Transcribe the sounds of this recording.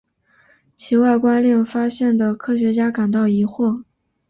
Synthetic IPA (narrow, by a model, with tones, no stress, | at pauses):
t͡ɕʰi˧˥wa˥˩ɪkwa˥nljɛ˥˩ŋfa˥ɕjɛ˥˩nd̪ə˩kʰɤ˥ɕɥɛ˧˥t͡ɕja˥ka˨˩nt̪ɑ˥˩ʊi˧˥xwɔ˥˩